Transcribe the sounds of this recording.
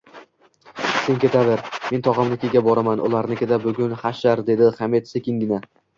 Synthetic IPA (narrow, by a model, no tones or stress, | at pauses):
se̞nkʲʰe̞t̪ʰad̪ɪɾme̞nt̪ʰɒʁɑmlɪkʲʰeɡʲabɒɾamanʔʊ̰lˠaɾnɪkʲe̞t̪abʊɡʲʊnχaʃaɾd̪e̞d̪ɪχame̞t̪sekʲɪŋɡʲɪna